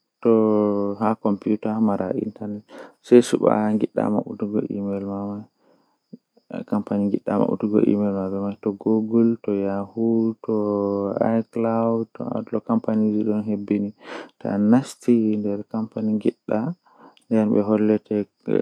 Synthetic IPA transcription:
tɔhakɔmpiutamaɾʔa̰ʔḭntaɾnɛtsɛjsṵɓa̰ŋɡiɗːa̰ma̰ɓutuɡɔ̰ʔḭmɛlmamaj | kampaniŋɡiɗːa̰ma̰ɓṵtuɡɔ̰ʔḭmɛlmabɛmajtɔɡoɡɔltɔjahutɔajklawdtɔ̰lɔkampanid͡ʒiɗɔnɦebːinita̰nastindɛɾkampaniŋɡiɗːa | ndɛnɓɛ̰ɦɔlːɛtʰɛ

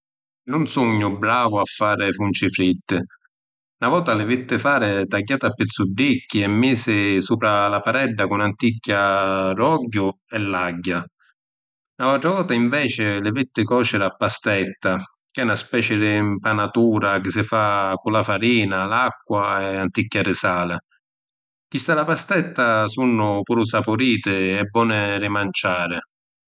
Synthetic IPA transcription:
nʊnsuɲːʊbɾaːvʊafːaːɾɪfunt͡ʃɪfɾit̪ːɪ | navɔːt̪alɪvɪt̪ːɪfaːɾɪt̪aɟːaːt̪apːɪt̪sːuɖːikːiɛmːiːsɪsuːpɾalapaɾɛɖːakʊnant̪ikːarɔɟːʊ | ɛlːaɟːa | nalalt̪ɾavɔːt̪aiɱvɛːt͡ʃɪlɪvɪt̪ːɪkɔːt͡ʃɪɾapːast̪ɛt̪ːa | k̟ɛunaspɛːt͡ʃɪd̪ɪmpanat̪uːɾak̟ɪsɪfakʊlafaɾiːnalakːwaɛant̪ikːaɾɪsaːlɪ | k̟ist̪alapast̪ɛt̪ːasunːʊpuːɾʊsapʊɾiːt̪ɪɛbːɔːnɪɾɪmant͡ʃaːɾɪ

